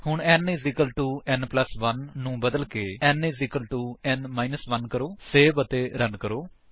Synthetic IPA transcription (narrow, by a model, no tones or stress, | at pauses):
hʊɳɛnizɪkəlʈuːɛnpləsʋənːũːbəd̪əlkeːɛniːzɪkəlʈuːɛnmaːinəsʋənkəɾoːseːbət̪eːɾənkəɾoː